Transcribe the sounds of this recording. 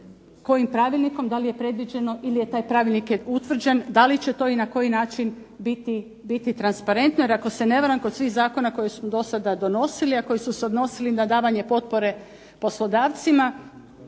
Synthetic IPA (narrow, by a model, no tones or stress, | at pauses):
ko̞jimpɾaːʋilʲˠniko̞md̪alije̞pɾe̞d̪ʋid͡ʑe̞no̞ʔilije̞t̪aːjpɾaːʋilˠnikjeut̪ʋr̩d͡ʑend̪alit͡ɕe̞t̪o̞ːinako̞jinaːt͡ʃin | bit̪i | bit̪it̪ɾanspaɾe̞nt̪nojeɾako̞se̞neʋaɾamkod̪sʋiːxzaːko̞nako̞jesmod̪o̞sad̪ad̪o̞no̞siliako̞jisuseod̪no̞silinad̪aːʋaɲe̞po̞t̪̚po̞ɾe̞ | po̞slˠo̞d̪aːʋt̪sima